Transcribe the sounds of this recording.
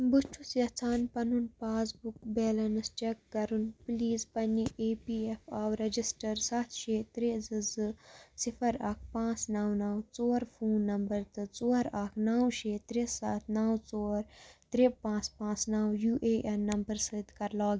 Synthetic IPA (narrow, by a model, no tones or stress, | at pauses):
but͡ʃʰusjɐt͡sʰaːnpɐnunpaːsbukbeːlɐnɨst͡ʃekːɐɾunpliːzpɐniʔeːpiefaːwɾɐd͡ʒisʈɐɾsɐt̪ʰʃeːt̪ɾezɨzɨsifʰɐɾɐːk̚ʰpãːt͡snɐwnɐwt͡soːɾfʰuːnːɐmbɐɾt̪ɨt͡soːɾakʰnɐwʃeːt̪ɾesaːt̪ʰnɐwt͡soːɾt̪ɾepãːt͡spãːt͡snɐwjuːʔeːʔɐnːɐmbɐɾsɨd̪kɐɾlaːɡ